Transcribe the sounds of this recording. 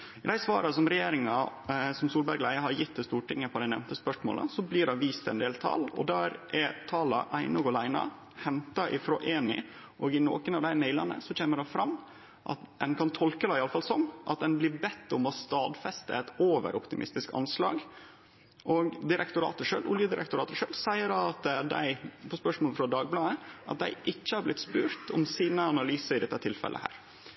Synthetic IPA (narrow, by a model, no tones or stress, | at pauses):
ɪd̪æɪsʋɑ̰ːɾɑsɔmɾɛjeːɾɪŋɑsɔmsuːlbæɾɡlæɪəɦɑɾjɪt̪ːɛst̪uːʈɪŋːəpʰɔd̪æɪnɛ̰ʋnt̪əspœʂmo̰ːlə̰sɔblɪːɖɑʋiːst̪ɛ̰nd̪eːlt̪ʰɑ̰lɔ̰d̪æːɾʔɛt̪ʰɑːlɑʔæɪnɔɡɔlæɪnɑ̰ | hɛnt̪ɑʔɪfɾɔʔeːnɪ̰ | ʔɔːɡɪno̰ːkənɑʋd̪æɪmæɪlɑ̰nə̰sɔc͡çeːməɖɑfɾɑmː | ʔɑ̰t̪d̪ɛnkʰɑnt̪ʰɔlkəd̪ɑɪɑləfɑlsɔmʔɑt̪̚d̪ɛnblɪbɛt̪ːɔmɔst̪ɑːd̪fɛst̪ə̰ɛt̪oːʋə̰ɾʔɔpt̪ɪmʔɪ̰st̪ɪskɑ̰nslɑ̰ːɡ | ʔɔɡd̪ɪɾʔɛkt̪ʊɾɑ̰ːt̪əʂøːlʔʊljəd̪ɪɾʔɛ̰kt̪ʊɾɑːt̪əʂøːlsæɪəɾɑt̪d̪æ̰ɪpʰɔspœʂmoːlfɾɑd̪ɑːɡ̚blɑːəɑ̰t̪̚d̪æ̰ɪʔɪçːəhɑɾblɪt̪ːspʉːɾt̪ʰɔmsiːnəɑnɑlyːsəɾɪd̪ɛt̪ːət̪ʰɪlfɛ̰lʔə̰hæ̰ːɾ